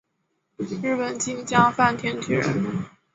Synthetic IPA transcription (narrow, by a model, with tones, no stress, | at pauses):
ɻ̩˥˩pə˨˩nt͡ɕi˥ŋt͡ɕjɑ˥ŋfa˥˩nt̪ʰjɛ˥nt̪ʰi˧˥˩